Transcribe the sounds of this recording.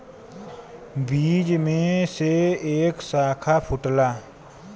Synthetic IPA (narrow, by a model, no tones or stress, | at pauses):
biːd͡ʒmẽseeːksaːkʰapʰʊʈlaː